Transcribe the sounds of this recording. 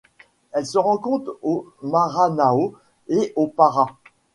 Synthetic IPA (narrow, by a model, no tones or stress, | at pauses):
ɛlsəʁɑ̃kɔ̃t̪χomaʁanao | eʔopaʁa